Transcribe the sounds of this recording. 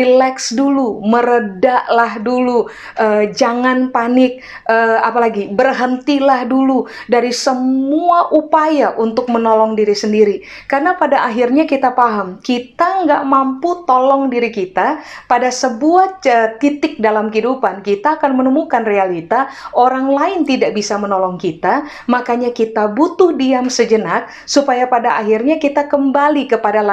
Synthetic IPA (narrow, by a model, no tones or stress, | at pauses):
rilɛksduluməɾədaʔlahdulu | ʔəːd͡ʒaŋanpanɪk̚ | əapalaɡibərɦənt̪ilahduludaɾisəmuaʔupajaʔunt̪ʊk̚mənɔlɔŋdiɾisəndiɾi | karənapadaʔːɦirɲakit̪apaɦamkit̪aŋɡaʔmamput̪olɔŋdiɾikit̪apadasəbuahət̪it̪ɪk̚dalamkidupankit̪aːkanmənəmukanrealit̪aʔoɾaŋlaɪnt̪idaʔbisamənɔlɔŋkit̪a | makaɲakit̪abut̪ʊhdiamsəd͡ʒənak̚ | supajapadaʔaɦɪrɲakit̪akəmbalikəpadala